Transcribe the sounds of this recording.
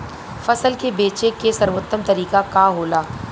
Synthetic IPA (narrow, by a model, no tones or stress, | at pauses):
fɐsəlkebeːt͡ʃekesɐɾʋoːt̪ːəmt̪ɐɾiːkakaɦoːlaː